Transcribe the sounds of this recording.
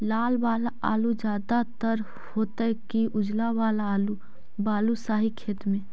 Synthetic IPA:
laːlbaːlaa̰ːlud͡ʒjaːd̪at̪əɾ | hoːt̪əkiʔʊd͡ʒlawaːlːlu | baːlusaːɦikʰeːt̪mẽː

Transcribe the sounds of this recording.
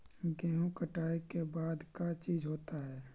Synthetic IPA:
ɡɛːɦõkəʈaːikebaːd̪kat͡ʃiːzɦoːt̪aɦɛː

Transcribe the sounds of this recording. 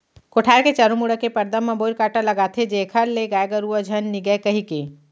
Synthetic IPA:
koʈʰaːɾket͡ʃəɾũmuɽəkepɐɾd̪əmːɐ̃boɾkaːʈalɐɡaːt̪ʰed͡ʒekʰəɾleɡaːjɡəɾuəd͡ʒʱənːiɡəkɐɦike

